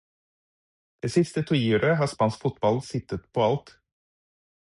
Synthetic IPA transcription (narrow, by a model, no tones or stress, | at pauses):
d̪̥eːsɪst̪ət̪ʰʊʉːɾəɦɑːspɑnskfʊt̪̚bɑlsɪt̪ət̪pʰoːɑlt̪